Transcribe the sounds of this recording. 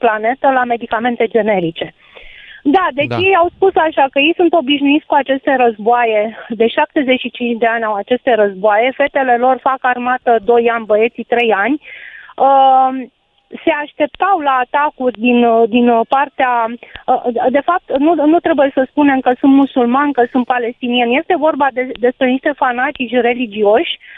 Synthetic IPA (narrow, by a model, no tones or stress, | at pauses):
plane̞t̪əlame̞d̪ikame̞nt̪e̞d͡ʒe̞ne̞ɾit͡ʃe̞ | d̪ad̪e̞t͡ʃje̞jawspusaʃakəje̞jsunt̪o̞biʃnuit̪sʲkuat͡ʃe̞st̪e̞ɾəzboaje̞d̪e̞ʃap̚t̪e̞ze̞t͡ʃʃit͡ʃint͡ʃd̪e̞anʲawat͡ʃe̞st̪e̞ɾəzboaje̞fe̞t̪e̞le̞lo̞rfakarmat̪əd̪o̞janʲbəje̞t̪sit̪ɾe̞janʲə | se̞aʃt̪e̞p̚t̪awlaːt̪akurʲd̪ind̪inpart̪eaəd̪e̞fap̚t̪nunut̪ɾe̞buje̞səspune̞mkəsunt̪musulmanʲkəsunt̪̚pale̞st̪inienʲje̞st̪e̞vo̞rbad̪ed̪e̞spɾe̞niʃt̪e̞fanat̪it͡ʃʲre̞lid͡ʒio̞ʃʲ